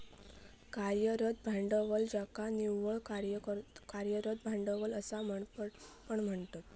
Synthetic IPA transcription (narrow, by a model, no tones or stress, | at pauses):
kaɾjəɾət̪̚bʱaɳɖəʋəld͡ʑakaniʋəɭkaɾjkkaɾjəɾəd̪̚bʱaɳɖəʋələsam̤əɳpəɳm̤əɳt̪at̪̚